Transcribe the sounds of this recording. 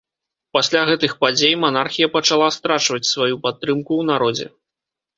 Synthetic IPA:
pasʲlʲaɣɛt̪ɨxpad͡zʲejmanarxʲijɐpɐt͡ʂalˠast̪ɾat͡ʂvɐt͡sʲsvajupat̪ːɾɨmkuwnaɾɔd͡zʲɛ̰

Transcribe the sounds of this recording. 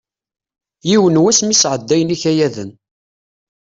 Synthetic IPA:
jiwənwæsmisʕəd̪ːæjəniçæjæðə̰n

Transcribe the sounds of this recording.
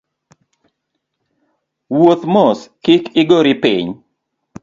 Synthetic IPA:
wot̪mɔskɪkɪɡoɾipḭɲ

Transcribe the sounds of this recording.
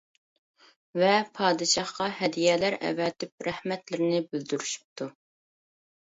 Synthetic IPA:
vɛpʰɑːd̪ɨʃɑχqɑhɛd̪ijɛlæɾɛ̰vɛt̪ɪp̚ɾæhmɛt̪lɪɾɪnɪbyld̪yɾyʃy̥p̚t̪ʰu

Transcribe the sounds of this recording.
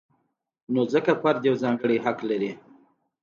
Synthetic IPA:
nozəkafaɾd̪jawzɑŋɡəɽiɦaklaɾi

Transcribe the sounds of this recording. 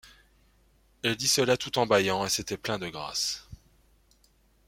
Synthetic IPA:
ɛld̪isəlat̪ut̪ɑ̃bajɑ̃eset̪ɛplɛ̃d̪əɡʁa̰s

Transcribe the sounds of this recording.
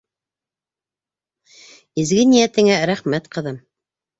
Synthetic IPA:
ɘ̆zɡɘnijæt̪ɘ̆ŋæɾæχmæt̪qɤ̆ðɤm

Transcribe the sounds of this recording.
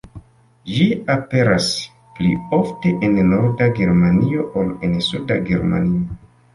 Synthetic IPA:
d͡ʒiape̞ɾas | plio̞fteʔennoɾdaɡe̞ɾmanio̞ʔolensudaɡe̞̰ɾma̰nio

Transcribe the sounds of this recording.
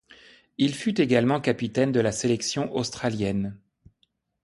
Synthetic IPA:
ilfyt̪eɡalmɑ̃kapit̪ɛnd̪əlaselɛksjɔ̃ʔost̪χaljɛn

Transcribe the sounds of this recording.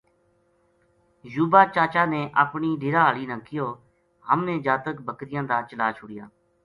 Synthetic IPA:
juːbaːt͡ʃaːt͡ʃaːneːʔəpɳiːɖʱɪːɾaːaːliːnãːkʰːɪjoː | ɦəmneːd͡ʒaːt̪əkbəkɾɪjãːd̪aːt͡ʃəlaːt͡ʃʰʊɽɪja̰ː

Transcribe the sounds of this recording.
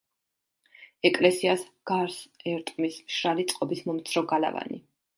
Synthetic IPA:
ɛkʼlɛsiasɡ̥aɾsɛɾt̪ʼmismʃɾalit̪sʼqʼɔbismɔmt̪sʰɾɔɡala̰va̰nḭ

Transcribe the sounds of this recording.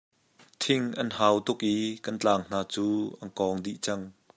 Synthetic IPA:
t̪ʰɪŋʔɐnhaːwt̪ʊk̚ʔikɐnt͡ɬaːŋn̥aːt͡suːʔɐnkɔŋdiʔt͡sɐŋ

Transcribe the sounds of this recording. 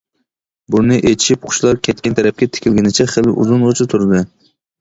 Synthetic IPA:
bunɨʔet̪ʰɪ̥ʃip̚qʰʊ̥ʃlˠɑɾkʲʰɛt̪̚ʲkʲɛnt̪ʰɛɾɛp̚kʲɛt̪ʰɪ̥kʲʰilɡʲɪnɪt͡ʃʰɛχɪlɪ̰ʔṵzunʁot͡ʃʰɨt̪ʰuɾɨd̪ɨ

